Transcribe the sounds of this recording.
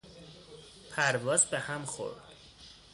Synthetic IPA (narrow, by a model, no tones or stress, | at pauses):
pʰæɾvɒːzbehæmxo̞̰ɾd̪̥